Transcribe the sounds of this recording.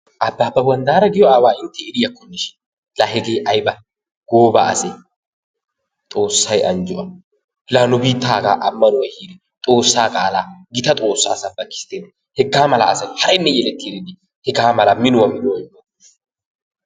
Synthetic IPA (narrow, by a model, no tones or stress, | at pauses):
ʔɐbːaːbːɐwɐnd̪aːɾɐɡɪjɔaːwaːɪnt̪ʰːɛɪɾɪjɐkːɔnːɪʃɪ̥n | lahɛɡeːʔɐjbɐ | ɡ̥oːba̰ːʔɐ̰sɛ | t̪ʼo̞ːsːɐjʔɐnd͡ʒʊʔɐ | laːnʊbiːt̪ːaːɡa̰ːʔɐmːɐnʊwɐhiːd̪ɛ | t̪ʼo̞ːsːaːkʼaːlaːɡɪt̪ɐt̪ʼo̞ːsːa̰ːsɐbːɐkːɪ̥sɪ̥t̪eːn | hɛɡːaːmɐla̰ːsɐjhɐɾɛnːɛjɛlɛt̪ːiːɾɪd̪ɪ | hɛɡaːmɐlɐmɪnʊwɐmɪnʊwɐjɐ